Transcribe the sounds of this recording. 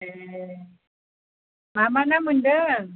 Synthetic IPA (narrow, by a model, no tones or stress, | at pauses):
e | mamanamundə